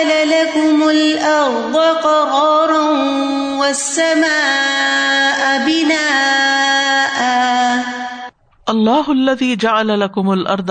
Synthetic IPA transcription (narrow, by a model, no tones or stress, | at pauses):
lalakʊmʊlʔɑɾˤd̪ˤɨqɑɣɑːɾˤɑn | wasːamaː | ʔabɪnaː | ʔa | ʔɑlˤːɑːhʊalːaðiːd͡ʒaʕalalakʊmalʔɑ̰ɾˤd̪ˤ